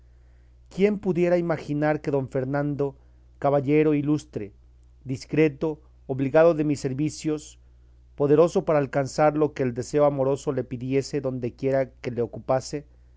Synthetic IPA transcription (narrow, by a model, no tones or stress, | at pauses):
kje̞mpuðje̞ɾaimaxinaɾke̞ðo̞ɱfe̞ɾnãnd̪o̞ | kaβaʝe̞ɾo̞ilust̪ɾe | d̪iskɾe̞t̪o̞ː | βliɣaðoðe̞misːe̞ɾβisjo̞s | po̞ðe̞ɾo̞so̞paɾaːlkansaɾlo̞ke̞ːld̪e̞se̞oamo̞ɾo̞so̞le̞piðje̞se̞ðo̞nd̪e̞kje̞ɾake̞le̞okupase̞